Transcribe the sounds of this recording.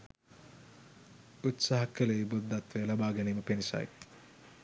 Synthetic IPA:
ut̪saːɦɐkːəleibud̪ːat̪ʋejlabaːɡæniːməpenisa̰j

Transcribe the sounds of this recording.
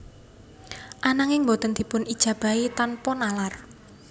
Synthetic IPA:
ʔanaŋɪŋmbot̪ənd̪̥i̤pʊnid̥ʒ̥ä̤b̥a̤it̪anpɔnalar

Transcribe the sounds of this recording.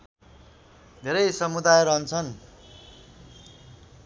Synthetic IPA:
d̪ʱeɾʌjsʌmud̪ajɾʌɦʌnt͡sʰʌn

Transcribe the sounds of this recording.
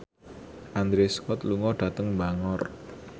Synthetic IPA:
ʔand̪ɾeskɔt̪luŋɔɖ̥ä̤t̪əŋmbaŋɔr

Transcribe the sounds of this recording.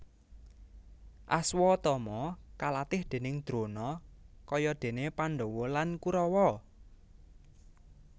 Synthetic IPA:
ʔaswɔt̪ɔmɔkalat̪ɪhd̪̥e̤nɪŋd̪̥ɾonɔkɔjɔd̪̥e̤nepanɖowɔlankuɾɔwɔ

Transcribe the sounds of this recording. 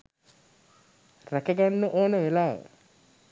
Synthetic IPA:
rækəɡanːəʔoːnəʋelaːʋə̰

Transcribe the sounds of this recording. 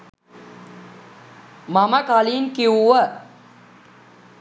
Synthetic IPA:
maməkaliːnkiuʋə

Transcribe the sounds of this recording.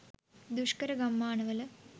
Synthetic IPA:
d̪uʂkɐɾɐɡɐmːaːɳɐʋɐlɐ

